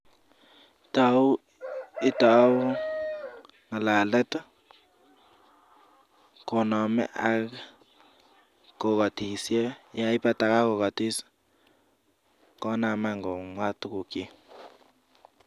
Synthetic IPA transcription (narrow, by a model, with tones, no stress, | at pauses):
ta˨u˦ | ɪ˦ta˨˦u˦ | ŋa˨la˨lɛ˦t | ko˨nɔ˨mɛ̰˦ʔa˨ | ko˨ka˨ti˨sjɛ˦ja˦ɪ˦pa˦ta˨ka˦ko˨ka˨ti˦s | kɔ˦na˨ma˦ŋɡo˨ŋwa˦tku˨ke˦